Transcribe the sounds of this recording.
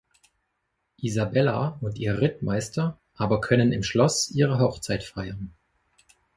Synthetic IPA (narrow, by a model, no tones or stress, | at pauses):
ʔizabɛlaʊntʔiːʁɪtmʔaɪstʰɐ | ʔaːbɐkʰœnənɪmʃlɔsʔiːʁəɦɔχt͡saɪtfaɪɐn